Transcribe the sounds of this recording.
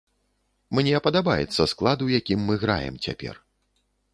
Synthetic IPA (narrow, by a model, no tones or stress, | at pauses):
mnʲɛpɐd̪abajɛt̪sːɐsklˠad̪ujakʲimːɨɣɾa̰jɛ̰mt͡sʲa̰pʲɛ̰r